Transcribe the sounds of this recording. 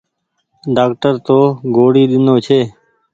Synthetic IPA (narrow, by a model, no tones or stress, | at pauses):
ɖaːkʈəɾt̪oːɡoːɽiːɗ̪ɪnoːt͡ʃʰeː